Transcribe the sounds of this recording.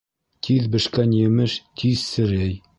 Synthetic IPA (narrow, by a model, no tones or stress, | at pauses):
t̪ʰiðbɘ̆ʃkænjɘ̆mɘʃt̪ʰiðsɘ̆ɾɘj